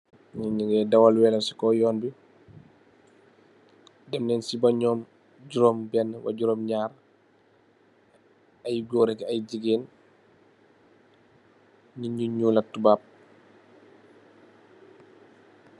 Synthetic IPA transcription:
ɲiɲiɡɛdɐwɐlwɛːlɐsi̥kɔːjɔːnbi | dɐmnɛːnsibɐɲɔːm | ɟuɾɔːmbɛnːəwɐ̰ɟuɾɔːmɲaːɾ | ɐjɡɔːɾɛkɐjɟiɡeːn | ɲiɲuɲuːlɐtubaːp̚

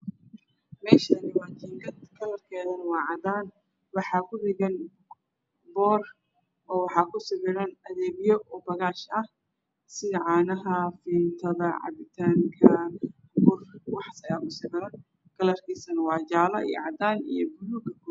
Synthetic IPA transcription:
mɛːʃɐnɪwɑːt͡ʃiŋɡɐd̪kʰɐlɐrkʰɛːðɐnwɑːʕɑd̪aːn | wɑħɑkʰʊrɪɣɐn | bɔːr | ʔɔːwɑħɑːkʰʊsɪbɪɾɐnɐðɛːbjɔʔbɐɣaːʃɐh | sɪðʕɑːnɐɦɐfiːnt̪ʰɐðɐʕɑ̰bɪt̪ʰaːŋkʰɐ | bʊrwɑħsɐjɐkʊsɪbɪɾɐn | kʰɐlɐrkʰiːsɐnwɑːd͡ʒaːlɐ̰ʔḭj̰ʕɑd̪aːnḭjɔbʊɾuɡɐkʰɔ

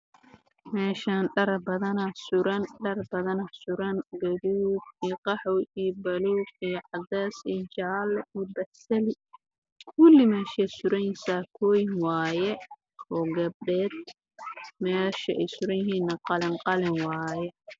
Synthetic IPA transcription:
mɛːʃaːnɖɐɾbɐðɐnɐsʊɾɐnɖɐrbɐðɐnɐsʊɾɐnɡɐðuːd̪iqɑħɔwijbɐluːɡijʕɑd̪ɛːsiːt͡ʃaːlʔiːbɐħsɐlɪ | kʰʊlɪmɛːʃɛsʊɾɐjsakʰɔːjɪŋwɑːjɛ | ɔːɡɐb̚ɖɛːd̪̚ | mɛːʃɐʔɛjsʊɾɐjɦiːnːɐqɑlɪŋqɑlɪŋwɑːjɛ

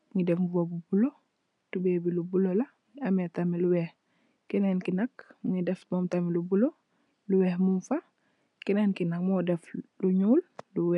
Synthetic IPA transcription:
mŋidɛfvobubulo | tubebilubulola | ametamiluwɛːh | kinenkinakmŋidɛfboːmtamilubulo | luwɛːhmumfa | kinenkinakmɔdɛfluɲuːlluwɛ

